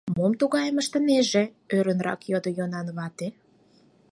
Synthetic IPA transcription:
momt̪uɣɑjəməʃt̪ə̆neʒe | øɾə̆nrɑ̰kjod̪ojonɑnβɑt̪e

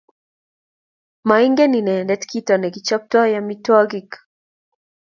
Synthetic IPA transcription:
maiŋɡɛninɛndɛtkʰitanɛɡit͡ʃap̚twajamitwaɡik

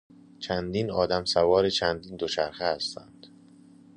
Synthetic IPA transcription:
t͡ʃʰænd̪iːnɒːd̪æmsævɒːɾet͡ʃʰænd̪iːnd̪ot͡ʃʰæɾxehæst̪ʰænd̪̥

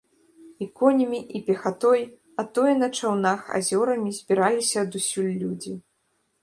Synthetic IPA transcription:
ikɔnʲɐmʲiʔipʲɛxat̪ɔj | at̪ɔjnɐt͡ʂawnaxa̰zʲɔɾɐmʲizʲbʲiɾalʲisʲɐːd̪usʲulʲːud͡zʲi

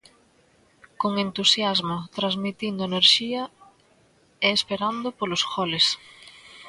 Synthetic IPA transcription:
koŋent̪usjazmʊt̪ɾazmit̪ind̪ʊeneɾʃiɐ | eːspeɾand̪ʊpolʊsxɔles

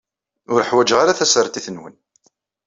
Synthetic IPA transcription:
ʊɾəħwæd͡ʒʁaɾaθæsəɾˤt̪iθənwən

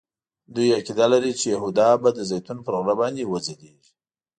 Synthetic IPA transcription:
d̪ujakid̪alaɾit͡ʃejaɦud̪ɑbad̪əzajt̪unpəɾoɣɾabɑnd̪ewəzad̪eʒi

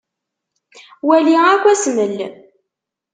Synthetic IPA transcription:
wæliækʷːæsməlː

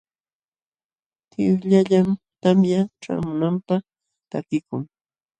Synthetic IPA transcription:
t̪ɪʎaʎam | t̪amjaʈ͡ʂa̰mʊnampaχ | t̪akɪkʊŋ

